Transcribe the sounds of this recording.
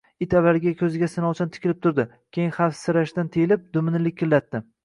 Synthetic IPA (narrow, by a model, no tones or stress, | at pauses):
ɪt̪avaɾɡʲakʲʰɵzɪɡʲasɪnɒwˠt͡ʃʰant̪ʰɪ̥kʲɪlɪp̚t̪ʰʊɾd̪ɪ | kʲʰejɪnhafsɪɾaʃt̪ant̪ʰejɪlɪp̚d̪ʊmnɪlɪkʲʰːɪlːat̪ːɪ